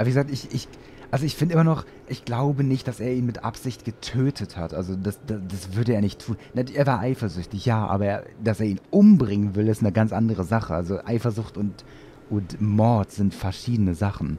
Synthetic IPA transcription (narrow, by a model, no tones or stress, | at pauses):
ʔabviɡəzaːk̚tɪçɪç | ʔʔalzoɪçfɪndəʔɪmɐnɔχ | ʔɪçɡ̥laʊbənɪçt̚d̥aseːɐiːnmɪtʔa̰pz̥ɪçt̚ɡ̥ətʰøːtʰəthatʔalzodasd̥asd̥asv̥ʏɐdɾəeːɐnɪçtʰːuːnnaʔeːɐvaːɐʔaɪfɐzʏçtɪçjaːʔa̰ːbɐːɐd̥aseːɐiːnʔʊmbʁɪŋənvɪlɪstnəɡant͡sʔandəʁ̞əzaχəʔa̰lzoʔa̰ɪfɐzʊχtʊnt | ʔʊntmɔɐtz̥ɪntfɛɐʃiːdənəzaχn̩